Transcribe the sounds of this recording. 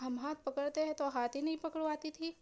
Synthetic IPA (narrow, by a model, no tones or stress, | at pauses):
ɦɐmɦaːt̪̚ʰpɐkəɽt̪eɦɛ̃t̪oɦaːt̪ʰinɐɦĩpɐkəɽʋaːt̪it̪ʰiː